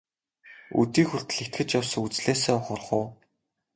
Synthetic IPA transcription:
ṵt̪iːxuɬt̪̆ɮɘ̆kt̪xɘ̆t͡ɕjawsə̆ŋut͡sɮeːseːχʊrχʊː

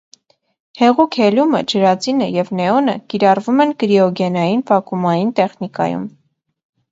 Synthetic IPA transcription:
hɛʁukʰhɛlumə̰d͡ʒəɾɑt͡sinəjɛvnɛɔnəkiɾɑrvumɛnkɾiɔɡɛnɑjinpɑkumɑjint̪ɛχnikɑ̰jṵm

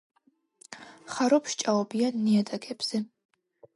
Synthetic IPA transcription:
χaɾɔpʰʃt͡ʃʼaɔbijanːiat̪ʼakʰʼɛbz̥ɛ

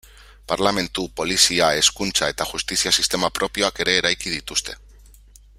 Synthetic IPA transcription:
paɾlame̞nt̪upo̞lisiae̞skunt͡sae̞t̪axust̪isiasist̪e̞mapɾʔo̞pio̞ake̞ɾe̞ːɾajkið̞it̪ust̪e̞̥

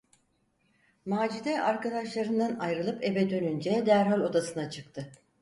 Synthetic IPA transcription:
maːd͡ʒid̪ɛʔaɾkad̪aʃlˠaɾɯnd̪anajɾɯlˠɯpe̞bɛd̪ø̞nynd͡ʒɛd̪æɾɦalʲo̞d̪asɯnat͡ʃʰɯk̚t̪ʰɯ

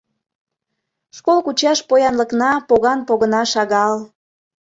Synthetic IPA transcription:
ʃkolkut͡ɕɑʃpojɑnləknɑpoɣɑnpoɣənɑʃɑɣɑl

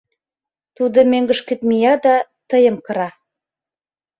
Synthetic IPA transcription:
t̪ud̪əmeŋɡɵ̆ʃkɘ̆t̪̚mijɑd̪ɑt̪ɤ̆jɤmqɤ̆ɾɑ

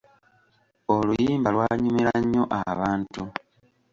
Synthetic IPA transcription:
o̞lujiːmbalwaːɲumeɾaɲːo̞ʔaβaːntu

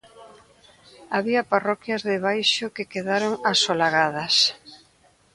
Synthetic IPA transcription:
aβiɐparɔkjɐzðɪβ̞ajʃʊkekeðaɾoŋasolaɣaðɐs

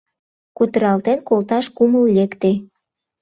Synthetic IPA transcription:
kut̪əɾɑlt̪enkolt̪ɑʃkuməlːekt̪e

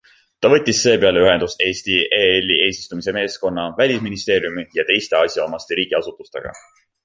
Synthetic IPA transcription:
t̪ɑvɤ̞t̪ʲːˑisːe̞ːpeɑleyɦe̞nd̪̥ust̪e̞ːsʲt̪iʔeelʲːie̞ːsʲi̥st̪umise̞me̞ːsko̞nːɑvælʲisminist̪e̞ːɾjumijɑt̪e̞jst̪e̞ɑsʲjɑomɑst̪eɾiːɡ̥iɑsut̪ːˑust̪e̞̰ɡ̥ɑ̰

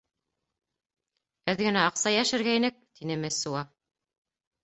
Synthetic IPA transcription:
ɘðɡɘ̆næɑqsɑjæʃɘ̆ɾɡæinɘk̚t̪inɘmɘsuɑ

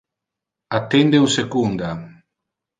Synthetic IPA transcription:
at̪ːend̪eusekund̪a

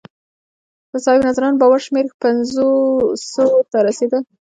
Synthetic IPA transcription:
d̪̥əsɑhɪbnazaɾɑnbɑwaɾʃmeɾpanzosot̪aɾased̪ə

